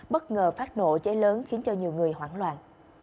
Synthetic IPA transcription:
ɓə˦˥t̚ŋəː˨˩faː˦˥t̚no̰˧˨t͡ɕe˨˦ləː˨˦nxi˨˦nt͡ɕɔ˧ɲi˨˩əwŋɨ˨˩əjhwaː˧˩nlwa̰ː˧˨n

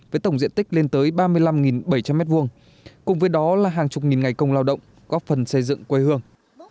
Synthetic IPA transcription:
vəː˨˦jt̪ə˧˩wŋ͡mzḭ˧˨ənt̪ï˦˥k̚le˧nt̪əː˨˦jɓaː˧mɨ˧əjla˧mŋi˨˩nɓə˧˩jt͡ɕa˧mːɛ˦˥t̚vu˧əŋ | kʊ˨˩ŋ͡mvəː˨˦jɗɔ˨˦laː˨˩ɦaː˨˩ŋt͡ɕʊ˨˩k͡p̚ŋi˨˩nŋa˨˩jkə˧wŋ͡mlaː˧wɗə̰˧˨wŋ͡m | kɔ˨˦fə˨˩nsə˧jzɨ̰˧˨ŋkwe˧jhɨ˧əŋ

